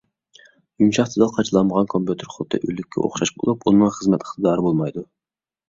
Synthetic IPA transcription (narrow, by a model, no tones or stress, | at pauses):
jumʃɑχt̪ʰɨd̪ɑqʰɑt͡ʃʰɨlˠɑnmːəʁɑnkʰompjut̪ʰeɾχolˠt̪ʰːɨ̰ʔylɪkʲʰːɛ̰ʔo̰χʃɑʃbo̰lˠupunːɨŋχəzmɛt̪lˠə̥t̪d̪ɑːɾɨbolˠmɑjd̪u